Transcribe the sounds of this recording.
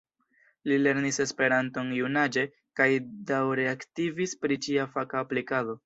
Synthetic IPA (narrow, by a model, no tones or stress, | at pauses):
lile̞ɾnise̞spe̞ɾanto̞njunad͡ʒe̞ | kajdawɾe̞aktivispɾit͡ʃiafakaːplikado̞